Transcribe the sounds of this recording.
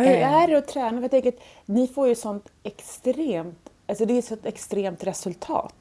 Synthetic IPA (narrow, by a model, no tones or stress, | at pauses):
ɛɦæɾæɾɔt̪ʰɾɛːnafɾjt̪ʰɛŋkəɾat̪ | nɪfoːɾjɵsɔnt̪ɛkst̪ɾeːmt̪ | alsɔd̪ɛsɔt̪ɛkst̪ɾeːmt̪ɾɛsɵlt̪ʰɑ̰ːt̪